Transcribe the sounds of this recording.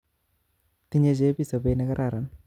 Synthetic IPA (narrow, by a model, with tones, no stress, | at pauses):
t̪i˦ɲe˦t͡ʃe˦pi˦˨sa˨be˦nɛ˦ka˦ɾʔa˨ɾa˨n